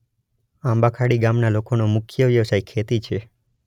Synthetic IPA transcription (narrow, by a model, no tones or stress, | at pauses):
ãmbakʰaɽiɡamnalokonomʊkʰjəʋjəʋsajkʰːet̪it͡ʃʰe